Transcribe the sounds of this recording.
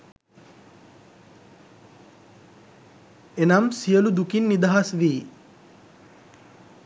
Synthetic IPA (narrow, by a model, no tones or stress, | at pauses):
enamsijəlud̪ukinːid̪aɦasʋiː